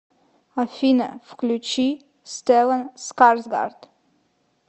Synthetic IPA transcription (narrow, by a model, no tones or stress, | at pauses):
afinə̰fklʲut͡ʃi | st̪ɛlənskaɾsɡa̰ɾd̪̥